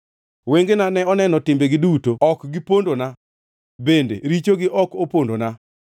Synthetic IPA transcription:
weŋɡenanɛɔnɛnɔtɪmbeɡɪdutoɔkɡɪpondona | bendḛɾit͡ʃoɡɪʔɔkopondona

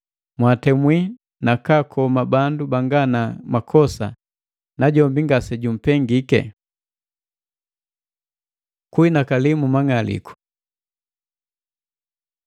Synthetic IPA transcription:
mwatɛmwi | nakakʰɔmabandubaŋɡanamakʰɔsa̰ | naɟɔmbiŋɡasɛɟum̩pɛŋɡikɛ̰ | kuinakalimumaŋalḭku̥

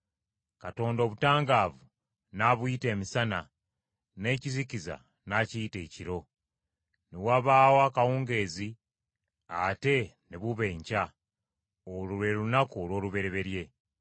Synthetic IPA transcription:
kato̞ːndo̞ːβutaːŋɡaːvu | naβwite̞ːmisana | ne̞ːciziciza̰ | naciːte̞ːciɾo̞ | newaβaːwaːkawuːŋɡe̞ːzi | ate̞neβuβe̞ːɲca | oluɾe̞lunakuolwo̞ːluβe̞ɾe̞βe̞ɾje̞

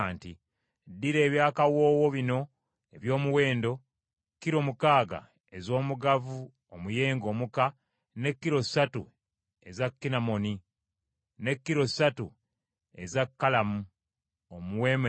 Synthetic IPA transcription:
nti | dːiɾe̞ːβjaːkawo̞ːwo̞βino̞ | eβjo̞ːmuwe̞ːndo̞ | kːiɾo̞mukaːɡa̰ | e̞zo̞ːmuɡavu | omuje̞ːŋɡo̞muka | ne̞kːiɾo̞satṵ | e̞zakːinamo̞ni | ne̞kːiɾo̞satu | e̞̰zakːalamu | omuwe̞ːm

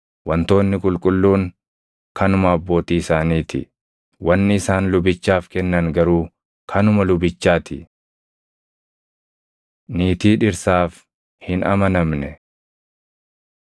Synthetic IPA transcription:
wɐnt̪o̞ːnːɪkʼʊlkʼʊlːuːŋ | kɐnʊmɐɐbːo̞ːt̪iːɪsaːniːt̪ɪ | wɐnːɪɪsaːnlʊbɪt͡ʃːaːfkɛnːɐŋɡɐɾuː | kʰɐnʊmɐlʊbɪt͡ʃːaːt̪ɪ | niːt̪iːᶑɪɾsaːf | hɪnɐ̰mɐnɐmnɛ

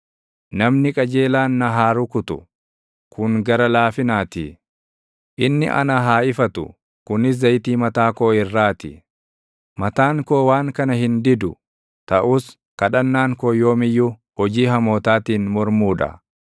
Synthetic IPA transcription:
nɐmnɪkʼɐd͡ʒe̞ːlaːnːɐɦaːɾʊkʊt̪ʊ | kʰʊŋɡɐɾɐlaːfɪnaːt̪ɪ̰ | ʔɪnːɪ̰ʔɐ̰nɐɦaːʔɪfɐt̪ʊ̰ | kʊnɪs̬d̪ɐjt̪iːmɐt̪aːkoːɪrːaːt̪ɪ̰ | mɐt̪aːŋko̞ːwaːŋkɐnɐhɪnd̪ɪd̪ʊ | t̪ɐʔuːs | kɐᶑɐnːaːŋkoːjo̞ːmɪjːʊhɔd͡ʒiːɦɐmo̞ːt̪aːt̪iːnmɔɾmuːᶑɐ̰

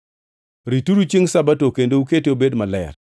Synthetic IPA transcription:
ɾituɾut͡ʃiŋsabatokendouketeobedmalɛ̰r

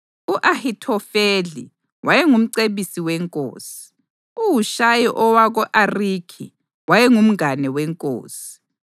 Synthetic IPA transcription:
uʔahitʰɔfeɮḭ | wajɛŋum̩ǀeβisiwɛŋkʼo̰ːsi̥ | uwuʃajiʔɔwaɣɔʔariːkʰḭ | wajɛŋum̩anɛwɛŋkʼo̰ːsi̥

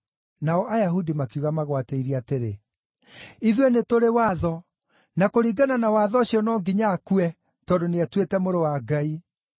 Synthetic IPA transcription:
naɔʔajaɦudimakjuɣamaɣwateiɾiateɾe | iðwenetoɾewaːðɔ | nakoɾiːɡananawaðɔɕiɔnɔːŋɡiɲakuɛ | tɔːndoneatwetɛmoɾowaɡai

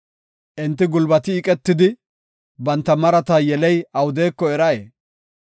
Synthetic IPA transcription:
ʔɪnt̪ːɪɡʊlbɐt̪ɪːkʼɛt̪ːɪd̪ɪ | bɐnt̪ːɐmɐɾɐt̪ɐjɛlɛjɐwʊd̪eːkːɔɛɾɐjeː

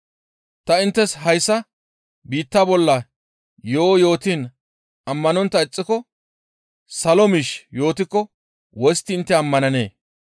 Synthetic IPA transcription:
t̪ɐɪnt̪ːɛsɦɐjsːɐ | biːt̪ːɐbɔlːɐ | jo̞ːjo̞ːt̪iːn | ɐmːɐnɔnt̪ːɐɪt͡sʼːɪkɔ | sɐlɔmiʃjo̞ːt̪ɪkːɔ | wɔjst̪ːɪɪnt̪ːɛɐmːɐnɐne̞̰ː

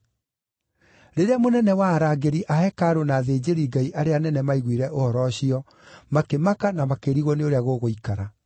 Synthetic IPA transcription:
ɾeɾeamonɛnɛwaɾaːɡeɾiʔahɛkaɾonaːðeːd͡ʑeɾiɡaiʔaɾeanɛnɛmaiɣwiɾɛʔohɔɾɔɕiɔ | makemakanamakeɾiɣwɔneoɾeaɣoɣoikaɾa

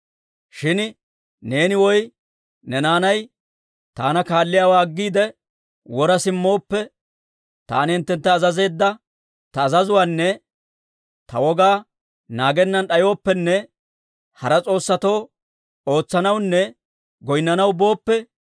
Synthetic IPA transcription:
ʃɪn | ne̞ːnɪwɔj | nɛnaːnɐj | t̪a̰ːnɐkaːlːɪjaːwaːɡːiːd̪ɛ | wɔɾɐsɪmːo̞ːpːɛ | t̪a̰ːnɪɪnt̪ːɛnt̪ːɐːzɐze̞ːd̪ːɐ | t̪ɐːzɐzʊwaːnːɛ | t̪ɐwɔɡaː | naːɡɛnːɐnɗɐjo̞ːpːɛnːɛ | hɐɾɐt͡sʼo̞ːsːɐt̪o̞ː | o̞ːt͡sːɐnɐwnːɛ | ɡɔjnːɐnɐwbo̞ːpːɛ

